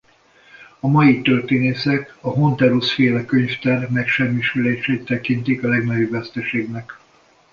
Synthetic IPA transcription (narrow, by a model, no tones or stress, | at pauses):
ɒmɒjit̪ørt̪eːneːsɛkɒɦo̞nt̪ɛɾusfeːlɛkøɲft̪ɛrmɛkʃɛmːiʃyleːʃeːt̪ːɛkint̪ikɒlɛɡnɒjobːɛst̪ɛʃeːɡnɛk